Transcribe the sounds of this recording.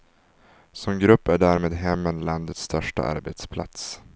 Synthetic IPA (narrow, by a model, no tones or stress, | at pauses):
sɔmɡɾɵpːæɖæɾmeːd̪ɦɛmːənland̪ət̪st̪ʰœʂʈa̰ʔa̰ɾbet̪spʰla̰t̪s